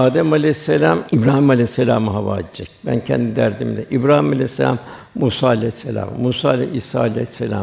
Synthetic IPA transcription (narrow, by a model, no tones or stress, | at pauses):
aːd̪ɛmalʲɛsːelʲaːmibɾaːhimalʲɛsːelʲaːmaɦava̰ːd̪d͡ʒɛc̚bæ̰ncʰɛnd̪id̪æɾd̪imd̪ɛʔibɾaːhimalʲɛsːelʲa̰m | muːsaːlʲɛsːelʲa̰ːmmuːsaːlʲɛ̰isa̰ːlʲɛsːelʲa̰ː